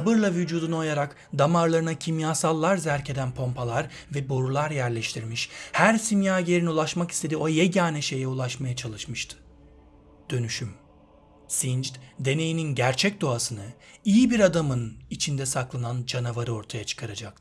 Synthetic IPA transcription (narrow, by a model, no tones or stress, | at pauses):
sabɯɾlˠavyd͡ʒuːd̪uno̞jaɾak | d̪amaɾlˠaɾɯnacʰimjaːsalˠːaɾzæɾcʰe̞d̪ænpʰo̞mpʰalˠaɾ | vɛbo̞ɾulˠaɾjæɾlʲɛʃt̪ʰiɾmiʃhæɾsimjaːjeɾiniulˠaʃmakist̪ʰe̞d̪iojɛɟaːnɛʃe̞jɛulˠaʃmajat͡ʃʰalˠɯʃmɯʃt̪ʰɯ̥ | d̪̥ø̞nyʃym | sind͡ʒd̪d̪e̞ne̞jininɟæɾt͡ʃʰɛc̚d̪o̞asɯnɯijibiɾad̪amɯnit͡ʃʰind̪ɛsaklˠanand͡ʒanavaɾɯo̞ɾt̪ʰajat͡ʃʰɯ̥kʰaɾad͡ʒak̪̚